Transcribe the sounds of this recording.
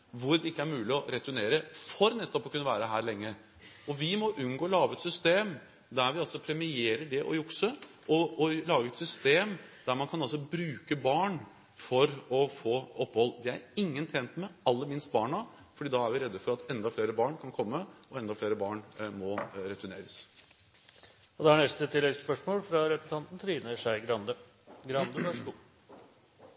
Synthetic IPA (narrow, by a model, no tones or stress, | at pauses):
ʋʊɾd̪ɛɪkːəæɾmʉːlɪɔɾɛt̪ʉneːɾəfɔɾnɛt̪ːɔpɔkʰʉnːəʋæːɾəɦæːɾɭɛŋːə | ɔʋɪmɔʔʉnɡoːlɑːʋəɛt̪sʏst̪eːm | d̪æɾʋɪɑlsɔpʰɾɛmɪeːɾəɖɛʔɔ̰jʊksə | ʔɔɔlɑːɡəɛt̪sʏst̪eːmd̪̥æɾmɑnkʰɑnɑlsɔbɾʉːkəbɑːɳ | fɔɾɔfoːɔpːhɔlːʋɪæ̰ɾɪŋːənt̪ʰɛnt̪mɛɑlːəɾmɪnst̪̚bɑːɳɑ | fɔɖiːd̪ɑæɾʋɪɾɛd̪ːəfɔɾɑt̪ɛnd̪ɑfleːɾəbɑːɳkʰɑnkʰɔmːəɔɛnd̪ɑfleːɾəbɑːɳmɔɾɛt̪ʉneːɾəs | ɔd̪ɛæɳɛst̪ət̪ʰɪlːɛɡsspœʂmoːlfɾɑɾɛpɾs̩ɑnt̪n̩t̪ʰɾiːnəʂæɪɡɾɑnd̪ə | ɡɾɑnd̪əɑʂu